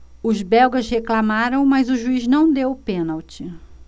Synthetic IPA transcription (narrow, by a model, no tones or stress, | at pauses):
ʊzbɛwɡɐʃheklamaɾɐ̃w̃mɐjzʊʒuiznɐ̃w̃d̪ewpẽnawt͡ʃɪ